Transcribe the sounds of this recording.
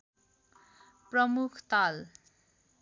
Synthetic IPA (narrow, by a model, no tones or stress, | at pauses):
prʌmukʰt̪al